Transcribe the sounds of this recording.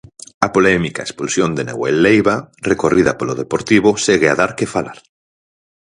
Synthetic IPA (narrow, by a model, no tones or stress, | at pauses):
ɐpolɛmikaespulsjond̪enḛɣwelːejβarekorʔiðɐpoloðepoɾt̪iβoseɣeaðaɾkɪfala̰ɾ